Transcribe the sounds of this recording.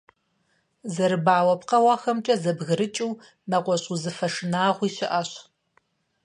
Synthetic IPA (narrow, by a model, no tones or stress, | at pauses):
zɐɾɨbaːwɐpqɐwɑxɐmt͡ʃʼɐzɐbɣɨɾɨt͡ʃʼiw | nɐqʷɔɕʼuzɨfɐʂɨnaːʁʷiːɕɪʔɐɕ